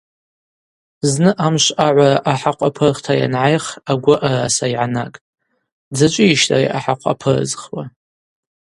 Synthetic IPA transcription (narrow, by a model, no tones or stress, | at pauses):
znɨʔamʃʷaʕʷaraʔaħaqʷʼapʰɨrχtʰaja̰nʕajχaɡʷʊʔarasaiʕanakʼ | d͡zat͡ʃʷʼɪiʃtʼa̰rḭʔaħaqʷʰʼa̰pʰɨrɨ̰zχwa